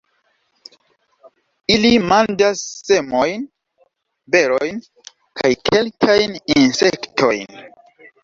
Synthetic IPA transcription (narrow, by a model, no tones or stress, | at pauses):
ilimandasːe̞mo̞jn | be̞ɾojn | kʰajkʰe̞lkʰajninse̞ktʰo̞jn